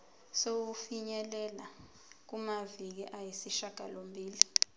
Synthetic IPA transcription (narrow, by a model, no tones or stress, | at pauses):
sok̬ufiɲɛlɛla | k̬umavik̬iʔajisiʃaɡ̥ʱa̰lombʱiːli